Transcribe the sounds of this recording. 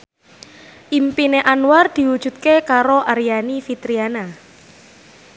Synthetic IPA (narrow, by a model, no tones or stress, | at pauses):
ʔimpineʔanward̪̥i̤wud̥ʒ̥ṳt̪̚kekaɾoʔaɾijanifit̪ɾiana